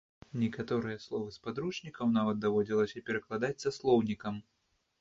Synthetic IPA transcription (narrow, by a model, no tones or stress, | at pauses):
nʲɛkat̪ɔɾɨjɐslˠɔvɨspad̪ɾuʂnʲikɐwnavɐt̪̚d̪avɔd͡zʲilˠɐsʲɐpʲɛɾɐklˠad̪at͡sʲsaslˠɔwnʲikɐm